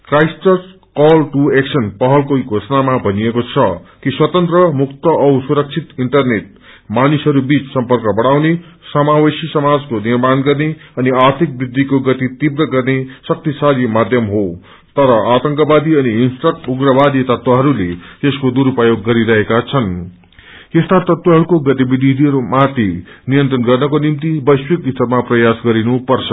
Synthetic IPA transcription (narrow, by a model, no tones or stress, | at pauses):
krajsʈʌs | kʌlʈueksʌnpʌɦʌlkoɡʱosʌnamabʱʌnijekot͡sʰʌkiswʌt̪ʌnt̪rʌmukt̪ʌʔʌwsuɾʌk̚t͡sʰit̪iɳʈʌrneʈ̚ | manusɦʌɾubit͡ssʌmpʌrkʌbʌɽ̃awnesʌmawesisʌmad͡zkonirmanɡʌrneʌniart̪ʰik̚brid̪ʱːikoɡʌt̪it̪ibrʌɡʌrnesʌk̚t̪isaɾimad̪ʱjʌmɦo | t̪ʌɾʌat̪ʌŋkʌbad̪iʌniːnsʈrʌk̚ʈuɡrʌbad̪it̪ʌt̪waɦʌɾulet̪eskod̪uɾupajoɡːʌɾiɾʌɦekat͡sʰʌn | est̪at̪ʌt̪waɦʌɾukoɡʌt̪ibid̪ʱid̪ʱiɦʌɾumat̪inijʌnt̪rʌnɡʌrnʌkonimt̪ibʌjswikist̪ʌɾmaprʌjasɡʌɾinupʌrt͡sʰʌ